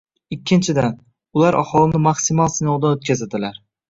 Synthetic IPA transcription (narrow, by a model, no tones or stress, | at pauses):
ɪkʲʰːɪnt͡ʃʰɪd̪an | ʊlaɾʔa̰hɒlˠɪnɪmaksɪmɒlˠsɪnɒwd̪aot̪̚kʲazɪd̪ɪlaɾ